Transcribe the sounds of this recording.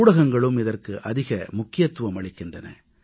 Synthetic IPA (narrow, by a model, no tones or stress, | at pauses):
ɽɐɣɐŋɡɐɭɯmɪðɐrkɯʔɐðɪɣɐmʊkːɪjɐt̪ːʊʋɐmɐɭɪkːɪndrɐnɐ̰